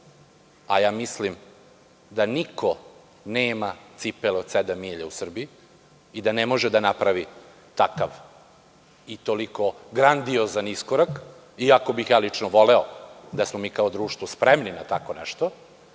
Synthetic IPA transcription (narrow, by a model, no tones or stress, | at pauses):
ajaːmislim | d̪anikʰo | neːmat̪sipelot̪sed̪amiːʎausr̩biiː | d̪anemo̞ʒɛd̪anapɾaʋi | t̪akaʋ | it̪oliko̞ɡɾand̪iozaniskoɾak | iako̞bixjaːlit͡ʂnoʋo̞leod̪asmomiːkaod̪ɾuːʃt̪ʋospɾemninat̪akonɛ̰ʃt̪o